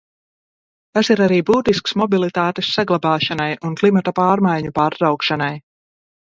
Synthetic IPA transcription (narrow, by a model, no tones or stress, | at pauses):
t̪asiɾaɾiːbuːt̪isksmɔbilˠit̪aːt̪esːaɡlˠabaːʃanajʔunklˠimat̪apaːɾmajɲupaːɾːawkʃanaj